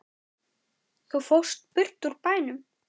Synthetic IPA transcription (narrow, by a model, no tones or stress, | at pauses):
θufowst̪̚pʏr̥t̪uɾpaːjnʏm